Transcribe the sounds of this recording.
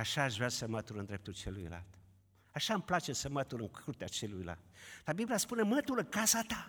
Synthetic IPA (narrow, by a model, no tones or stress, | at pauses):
aʃaːʃveasəmət̪ulɨnd̪ɾe̞p̚t̪ult͡ʃe̞lujla̰lt̪ | aʃamplat͡ʃesəmət̪ulɨŋkʰurt̪eat͡ʃe̞lujla̰lt̪̚labibliaspunemət̪ulɨŋkasat̪a